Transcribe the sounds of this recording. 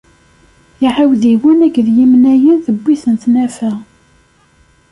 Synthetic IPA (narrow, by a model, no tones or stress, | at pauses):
jiʕawðiwənæɡðjimnæjənθəbʷːiθənθnæfæ